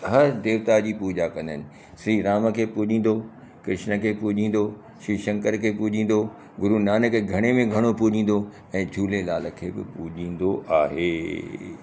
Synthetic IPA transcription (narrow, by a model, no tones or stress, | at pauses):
ɦɐɾd̪eːʋt̪ad͡ʑiːpuːd͡ʑakɐ̃nd̪ənɪ̆ | sɾiːɾaːməkʰeːpuːʄĩːn̆d̪o | kɾɪʃnə̆kʰeːpuːd͡ʑĩːn̆d̪o | ʃiːʃɐ̃ŋkəɾkʰeːpuːd͡ʑʱĩːn̆d̪o | ɡʊɾunaːnəkɡʱɐɽ̃emẽɡʱɐɽ̃opuːd͡ʑĩːn̆d̪o | ɛ̃ːd͡ʑʱuːlelaːləkʰeːbɪ̰puːʄĩːn̆d̪oʔaːɦeː